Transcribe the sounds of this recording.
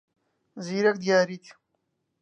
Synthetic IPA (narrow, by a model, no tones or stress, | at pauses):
ziːɾɐk̚d̪jaːɾit̪ʰi̥